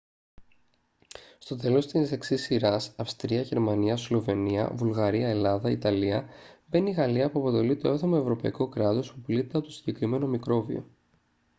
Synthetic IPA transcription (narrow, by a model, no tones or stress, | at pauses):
st̪o̞t̪e̞lo̞st̪ise̞ksisiɾɐsɐfst̪ɾiɐʝe̞ɾmɐniɐslo̞ve̞niɐ̰vulɣɐɾiɐe̞lɐðɐit̪ɐliɐve̞niɣɐliɐpuɐpo̞t̪e̞lit̪oeθomɐe̞vɾo̞pɐḭko̞kɾɐt̪o̞spuplit̪t̪eɐpot̪osi̥ɟe̞kɾime̞no̞mikɾo̞vḭo̞̰